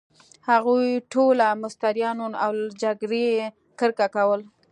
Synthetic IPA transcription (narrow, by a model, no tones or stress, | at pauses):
haɣujʈolamʊst̪aɾjɑnonawd͡ʒaɡɾe | kəɾkakawəl